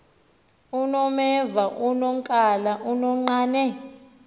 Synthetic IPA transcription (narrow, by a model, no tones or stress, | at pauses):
unɔmɛvaʔunɔŋkʼalaʔunɔŋ͡ǃaːnɛ